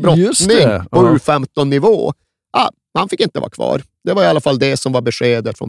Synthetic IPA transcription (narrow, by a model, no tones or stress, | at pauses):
bɾɔnɪŋpʰɔʉːfɛmt̪ɔnːɪvo̰ː | ʔa̰ | hanfɪkːɪnt̪əva̰ːɾkʰvɑ̰ːɾ | d̪ɛvaɾɪalːafalːd̪ɛsɔmvaɾbɛʂeːd̪ət̪fɾɔ̰n